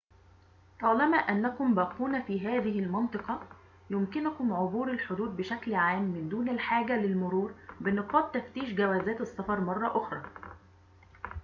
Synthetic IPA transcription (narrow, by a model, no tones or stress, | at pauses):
t̪ˤɑːlɑmæʔænːækʊmbæːquːnæfiːɦæːðɪɦɪlmɑnt̪ˤɨqɑ | jʊmkɪnʊkʊmʕobuːɾɪlħod̪uːd̪̚bɪʃæklʕaːmːɪnd̪uːnɪlħaːɡælɪlmʊɾuːɾbɪnɨqɑːt̪ːæft̪iːʃɡæwæːzæːt̪ɪsːɑfɑɾˤmɑrˤːɑʔʊxɾˤɑː